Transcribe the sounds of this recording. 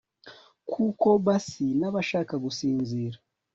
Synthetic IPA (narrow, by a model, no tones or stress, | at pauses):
kʰuko̞βasinaβaʃaːkaɡusiːnziːɾa